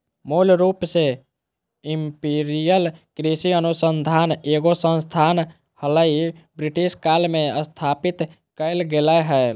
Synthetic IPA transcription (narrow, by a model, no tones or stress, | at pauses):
mulɾupse | impiɾijəlkɾisiənusənd̪ʱaneɡosə̃nst̪ʰan | hələibɾiʈiskalmeəst̪ʰapit̪ | kəɪlɡeləɦəl